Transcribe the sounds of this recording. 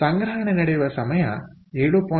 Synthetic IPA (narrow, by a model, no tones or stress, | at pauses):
t̪ɐŋɡɐɾaːnɐnɐɽɐʋɐɾsɐmɐjã̰ː | ɛɻɯpoː